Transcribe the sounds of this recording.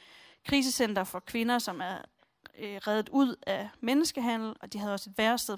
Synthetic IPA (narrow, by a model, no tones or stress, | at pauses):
kʰʁiːs̬əsen̰d̥ɐfɒ̽kʰʋe̝nɐsɒ̽mæɐ | ʁaːðð̩ˠuð̞̰ˠæmenəsɡ̥əɦæn̰l̩ɒ̽d̥iɦæðˠɒ̽se̝d̥ʋæɐsd̥eðˠ